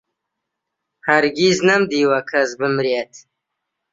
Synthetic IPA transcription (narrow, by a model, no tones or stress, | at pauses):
haɾɡiznɐmd̪iːwɐkʰɐzbɨmɾet̪